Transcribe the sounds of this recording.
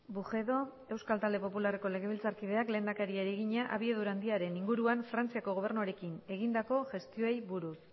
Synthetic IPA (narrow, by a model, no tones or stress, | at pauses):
buʝe̞ðo̞ | e̞wskalt̪ald̪e̞po̞pulare̞ko̞le̞ɣeβilt͡saɾkið̞e̞akle̞ːnd̪akaɾieɾeɣiɲaʔaβie̞ðuɾand̪iaɾe̞niŋɡuɾuaɱfɾant͡siako̞ɣo̞β̞e̞ɾnuoɾe̞kine̞ɣ̞ind̪ako̞ʝe̞st̪io̞ejβuɾus